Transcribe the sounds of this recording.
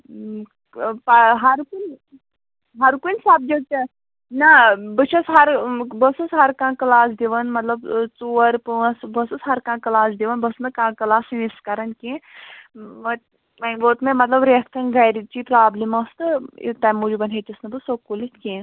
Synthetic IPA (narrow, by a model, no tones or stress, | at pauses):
paɦɐɾkunʲ | ɦɐɾkunʲsaːb̚d͡ʒɐt̪ɐ | nɐbɨt͡ʃʰɐsɦɐɾbɐsɨsɦɐɾkãːkɐlaːs̬d̪iʋɐnmɐt̪lɐbt͡suɐɾpɨɐsbɐsɨsɦɐɾkãːkɐlaːsd̪iʋɐnbɐsnɨkãːkɐlaːsiniskɐɾɐnkẽ | mɐ | mɐboːt̪mẽmɐt̪lɐbɾekt̪ʰɐnɡɐjɾit͡ʃipɾaːblimɐst̪ɨ̰t̪ɐmud͡ʒubɐnɦet͡ʃ̪isnɐbɨsokulit̪kẽː